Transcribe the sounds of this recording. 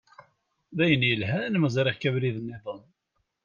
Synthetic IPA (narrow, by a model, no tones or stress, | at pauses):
ðæjənjəlɦænməzˤɾɪʁkævɾiðənːeðˤən